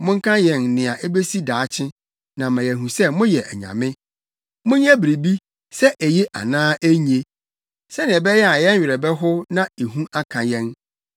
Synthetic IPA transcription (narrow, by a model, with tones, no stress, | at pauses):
mʊ̃˦ŋ̩˦kʰã˦jɛ̃˨nnɪ̃˨a˨ʔe˦be˦si˦daː˨˦t͡ɕʰɪ̃˦ | nã˨mã˨jɛ˨ɦũ˨sɛ˦mʊ̃˦jɛ˨ʔɛ˨ɲã̰˨mɪ̃˦ | mʊ̃˦ɲ˦ã˦bɾe˨bi˦ | sɛ˦ʔæ˨je˦ʔa̰˨nãː˦ʔæ˦ɲẽ˦ | sɛ˦nɪ̃˨ɛ˨bɛ˦jɛ˦a˨jɛ̃˦ɥᶣɪ˨ɾɛ˨bɛ˦ɦʊ˦nã˦e˨ɦũ˦ʔa˦kʰã˨jɛ̃˦n